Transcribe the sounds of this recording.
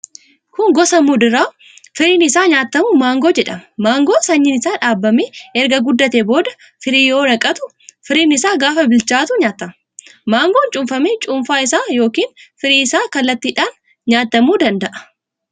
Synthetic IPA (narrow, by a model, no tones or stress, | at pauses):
kʊŋɡɔsɐmuːd̪ɪɾaː | fɪɾiːnɪsaːɲaːt̪ːɐmumaːŋɡoːd͡ʒɛᶑɐmɐmaːŋɡoːsɐɲːɪnɪsaːᶑaːbːɐmeːʔɛɾɡɐɡʊd̪ːɐt̪eːbo̞ːd̪ɐ | fɪɾiːjo̞ːɾɐkʼɐt̪ʊ | fɪɾiːnɪsaːɡaːfɐbɪlt͡ʃaːt̪ʊɲaːt̪ːɐm | maːŋɡoːnt͡ʃʼʊmfɐmet͡ʃʼʊmfaːɪsaːjo̞ːkiːnfɪɾiːɪsaːkɐlːɐt̪ːiːᶑaːn | ɲaːt̪ːɐmuːd̪ɐnd̪ɐʔɐ̥